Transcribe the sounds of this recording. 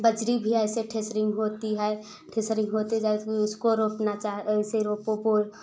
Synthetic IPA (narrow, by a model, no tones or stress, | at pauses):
bəd͡ʒɾibʱiɛɪseʈʰesɾɪ̃ŋɡɦoːt̪iɦɛ | ʈʰeːsɾɪ̃ŋɡɦoːt̪ed͡ʒaiʊskoɾoːpnat͡ʃaːɦɪseɾoːpopoː